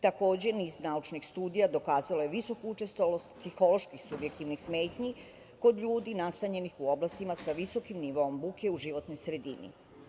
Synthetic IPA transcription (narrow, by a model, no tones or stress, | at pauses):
t̪ako̞ːd͡ʑe̞niznaut͡ʃnixst̪uːd̪ijad̪o̞kaːzaloje̞ʋiso̞kuut͡ʃe̞st̪ʋolo̞st̪psixo̞lo̞ʃkixsubje̞k̚t̪iʋnixsme̞ːt̪ɲi | ko̞d̪ʎuːd̪inast̪aɲe̞nixuo̞blˠast̪imasaʋiso̞kimniʋo̞ombuke̞uʒiʋo̞t̪no̞jsɾe̞d̪ḭnḭ